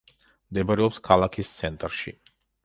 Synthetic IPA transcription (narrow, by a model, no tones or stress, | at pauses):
md̪ɛbaɾɛɔpskʰalˠakʰist̪sʰɛnt̪ʼɾʃḭ